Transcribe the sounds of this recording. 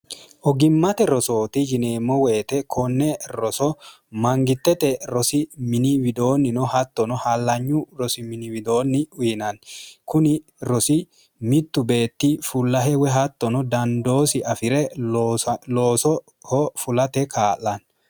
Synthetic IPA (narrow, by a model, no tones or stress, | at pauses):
ʔɔɡɪmːɐt̪ɛɾɔso̞ːt̪ɪd͡ʒɪneːmːɔwe̞ːt̪ɛkʰɔnːɛɾɔsɔ | mɐŋɡɪt̪ːɛt̪ɛɾɔsɪmɪnɪwɪd̪o̞ːnːɪnɔhɐt̪ːɔnɔhɐlːɐɲːʊɾɔsɪmɪnɪwɪd̪o̞ːnːɪʊjɪnɐnkʊnɪ | ɾɔsɪ | mɪt̪ːʊbe̞ːt̪ːɪfʊlːɐɦɛwɛɦɐt̪ːɔnɔd̪ɐnd̪o̞ːsɪɐfɪɾɛ | loːsɔ | hɔfʊlɐt̪ɛkʰaːlɐn